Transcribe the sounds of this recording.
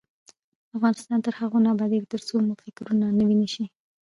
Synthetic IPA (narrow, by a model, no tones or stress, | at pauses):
afɣɑnɪst̪ɑnt̪əɾhaɣonɑbɑd̪ikt̪əɾt͡somʊfɪkɾunanəwinəʃi